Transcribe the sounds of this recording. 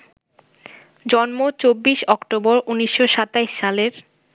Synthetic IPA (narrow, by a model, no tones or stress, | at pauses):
d͡ʑɔnmot͡ɕobːiʃɔkʈoboɾʔuniʃːoʃat̪ajʃʃaleɾ